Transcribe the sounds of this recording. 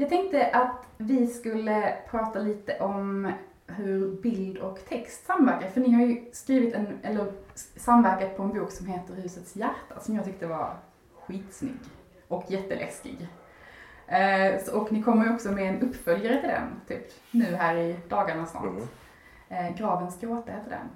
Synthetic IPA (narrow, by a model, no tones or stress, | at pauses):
jɑɡt̪ʰɛŋk̚t̪əʔat̪vɪskɵlːəpʰɾɑːt̪aliːt̪əʔɔm | ɦɵɾbɪld̪ɔkt̪ʰɛkst̪samːvæɾkaɾfœɳnɪhaɾjɵskɾiːvɪt̪ɛnʔɛlːəɾsamːvæɾkat̪̚pʰɔɛnbuːksɔmɦeːt̪əɾhʉ̟ːsət̪sjæɾʈːasɔmjɑɡt̪ʰʏkt̪əvaɾ | ɧiːt̪snʏ̰ɡː | ʔɔkʰjɛt̪ːə̰lʔɛ̰skɪ̰ɡ | ɔknɪkʰɔmːəɾjɔksɔmɛːnɵpːfœljaɾət̪ʰɪld̪ɛ̰nt̪ʰyːp | nʉ̟ːɦæːɾɪd̪̥ɑːɡaɳasnɑ̰t̪ | ɡɾɑːvənsɡɾoːt̪əhɛːt̪əɖ̪ɛ̰n